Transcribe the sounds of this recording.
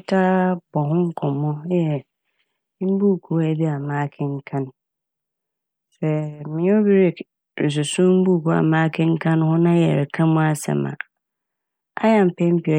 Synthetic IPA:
tʰa˦b̥ɔ˨ɦʊ̃˦ŋ̩˦kʰɔ̃˨mːʊ̃˦jɛ˨˦ | m̩˦bu˦˨kʰu˨˦æ˦bi˦a˨mãː˦kʰɪ̃˦ŋ̩˦kʰã˦n | sɛ˨mɪ̃˨˦o˦bi˦ɾi˦ | ɾɪ̰˨s̬ʊ˨sʊ̃˦m̩˦bu˦˨kʰu˦a̰˨mãː˦kʰɪ̃˦ŋ̩˦kʰã˦n˦hʊ̃˦nã˦jɛ̰˨ɾɪ˨kʰã˦mʊ̃˦a˦sɛ̰˨mã̰˨ | a̰˦ja˨m̩˨pʰɛ̃˦m̩˦pi˨ɔ˨

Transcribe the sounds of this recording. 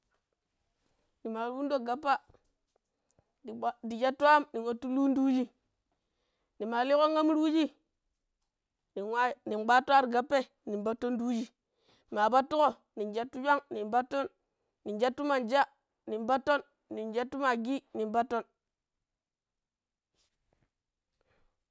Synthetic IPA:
ni˨ma˨˦wu˦ndo˦ɡa˨pːa˦˨ | di˨d͡ʒa˦tu˦a˦mni˨nwo˨tːu˦lu˦n˦du˦d͡ʒi˦ | ni˨ma˨li˦ko˦ŋa˦m˦ɾu˦d͡ʒi˦ | ni˨wa˦ni˨nɡ͡ba˦tu˦a˦ɾɡa˨pːe˦ | ni˨mba˦tːo˦ndu˦d͡ʒi˦˨ | ma˨ba˦tːu˦ko˦ | ni˨nd͡ʒa˦tːu˦d͡ʒʷa˦ŋni˨mba˦to˦nː | i˨nd͡ʒa˦tːu˦ma˨nd͡ʒa˦ | ni˨mba˦tːo˦nː | i˨nd͡ʒa˦tːu˦ma˨ɡi˦ni˨mba˦tːo˦n

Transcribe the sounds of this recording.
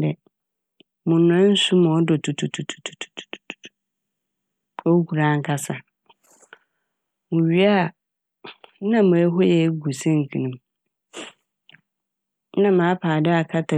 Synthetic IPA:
dɛ˨ | mʊ̃˨nã˦n̩˦su˦mɔ̃˨˦dʊ˨tʰu˨tʰu˨tʰu˨tʰu̥˨tʰu̥˨tʰu̥˨tu̥˨tu̥˨tu̥˨˦ | o˦kʰu˨ɾã˨˦ŋ̩˦kʰa˦sa˨ | mʊ̃˨ɥi˦a˦˨˦ | nã˨mʊ̃˨ɛ˦ɦɔ˦jɛ˨˦ɡu˨sɛ̃˦ŋ̩˨kʰĩ˨nũ˨m˦ | nã˦˨mã˨˦pʰaː˨dɪ˦a˨kʰa˦tʰa˨

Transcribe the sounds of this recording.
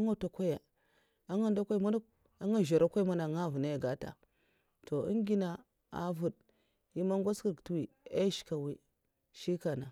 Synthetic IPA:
a˦ŋa˦ta˨kʷa˦ja˨ | a˦ŋa˦nda˦kʷa˦i˦ma˦na˦ | a˦ŋa˦˨ʒa˨ɾa˦kʷa˦i˦ma˦na˨ŋa˦˨vu˨na˦ja˨ɡa˦ta̰˨ | to˨ḭ˦ŋ˦ɡi˦na˨ | a̰˨vu˨d | ji˦ma˦ŋɡʷa˦skə˨ktu˦wi˨e˦ʃi̥˦ka˨wi˦ | ʃi˦ka˨na˨

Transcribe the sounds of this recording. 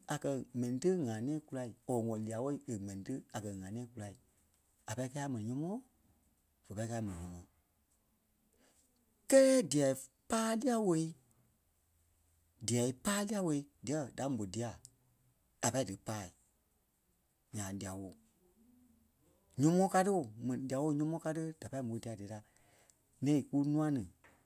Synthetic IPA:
a˨kɜ˧mɛ̃˨nĩ˨tə˦ŋã˨nɛ̃ː˦ku˧la˧i˨o˨ŋɔ̃˨li˧a˨wo˦i˦˨e˨mɛ̃˨nĩ˨tɨ˦a˨kɜ˧ŋãː˨nɛ̃ː˦ku˧la˧i˨ | a˨pa˧˦i˦kɛː˧˦a˦mɛ̃˨nĩɲɔ̃˧˦mɔ̃˦ | v̥ə˨pa˧i˦kaː˧˦mɛ̃˨nĩ˨ɲɔ̃˨mɔ̃ː˨ | kɛ˦lɛː˦di˨ɛ˨i˦ | paː˦li˦a˦wo˧˦i˦ | di˨ɛ˨i˦paː˦li˦a˦wo˧i˦di˨ɛ˨˦da˨˦m˨bo˨di˧˦a˨ | a˨pa˧˦i˦dɨ˨paː˦˨ | ɲãː˨li˨˧a˨wo˨ | ɲɔ̃˦mɔ̃˦ka˧tɨ˦o˨mɛ̃˨nĩ˨di˨a˨wo˧˦ɲɔ̃˧˦mɔ̃ː˧˦ka˧tɨ˦d̥a˨pa˧˦i˦m˨o˨˦di˧a˧˨de˨˦ta˦ | nɛ̃˦ĩ˨ku˦nũ˦ã˦nɨ̃˨

